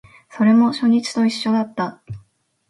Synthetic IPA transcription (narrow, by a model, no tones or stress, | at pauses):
so̞ɾe̞mo̞ɕo̞ɲ̟it͡ɕi̥t̪o̞iɕːo̞d̪at̪ːa